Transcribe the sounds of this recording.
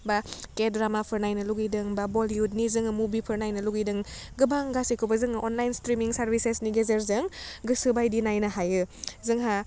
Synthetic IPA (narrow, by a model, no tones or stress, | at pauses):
bakedɾamapʰəɾnajnɐluɡidɯŋbaboliud̚nizɯŋɯmubipʰɯɾnajnɐluɡidɯŋɡɯbaŋɡasikʰɯwbazɯŋʔonlajnstɾimiŋsaɾbisesniɡezeɾzɯŋɡɯsɯbajdinajnɐɦajɯzɯŋɦa